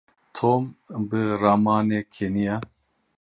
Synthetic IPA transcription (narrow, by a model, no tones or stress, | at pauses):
t̪ʰoːmbɨɾamɑːneːkʰenija